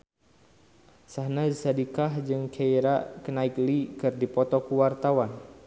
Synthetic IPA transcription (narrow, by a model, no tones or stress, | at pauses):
sahnasadikahd͡ʒɨŋkʰeiɾakənaiklikɨrdipɔt̪ɔkuwart̪awan